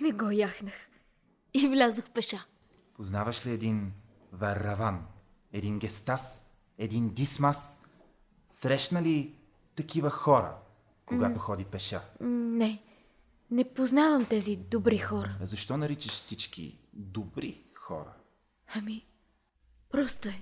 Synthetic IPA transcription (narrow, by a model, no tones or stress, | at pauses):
nɛɡɔjaxnəx | ivlʲazoxpɛʃa | poznavəʃliɛd̪in | vɐɾɐvan | ɛd̪inɡɛst̪as | ɛd̪ind̪ismas | sɾɛʃnəli | t̪ɐkivəxɔɾə̰ | koɡat̪oxɔd̪ipɛʃanɛ | nɛpoznavɐmt̪ɛzid̪obɾixɔɾəzɐʃt̪ɔnɐɾit͡ʃəʃfsit͡ʃkḭd̪obɾḭxɔ̰ɾə̰ | ɐmi | pɾɔst̪oɛ